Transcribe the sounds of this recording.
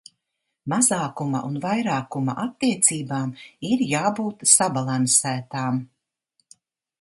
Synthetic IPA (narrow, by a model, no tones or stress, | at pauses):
mazaːkumɐ̰ʔunvajɾaːkumɐ̰ʔat̪ːiɛt̪siːbaːmiɾjaːbuːt̪sabalˠansæːt̪aːm